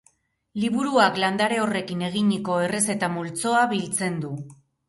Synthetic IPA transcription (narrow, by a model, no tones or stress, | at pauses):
liβ̞uɾuakland̪aɾe̞ore̞kine̞ɣ̞iɲiko̞e̞re̞se̞t̪amult͡so̞aβilt͡se̞nd̪u